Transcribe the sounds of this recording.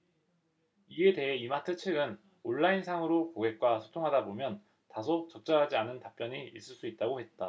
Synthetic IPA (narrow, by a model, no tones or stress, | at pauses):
ie̞de̞ɦeimatʰɯt͡ɕʰɯɡɯn | oɭːainsʰaŋɯɾokoɡe̞k̚k͈wasʰo̥tʰoŋɦadabomjʌn | tasʰot͡ɕʌk̚t͡ɕ͈ʌɾɦad͡ʑianɯntap̚p͈jʌɲiis͈ɯɭs͈uit̚t͈aɡohe̞t̚t͈a